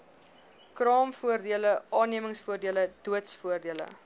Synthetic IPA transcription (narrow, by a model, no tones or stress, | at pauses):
krɑːmfuərdiələʔɑːniəməŋsfuərdiələd̥uətsfuərdiələ̰